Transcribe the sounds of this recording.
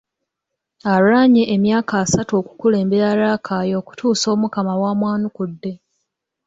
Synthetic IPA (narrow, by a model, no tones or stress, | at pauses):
aɾuaɲeʔemjaːkaːsatuo̞ku̥kule̞ːmbe̞ɾaɾaːkʰaːjo̞ːku̥tʰuːso̞ːmukamawaːmwaːnukudːe̞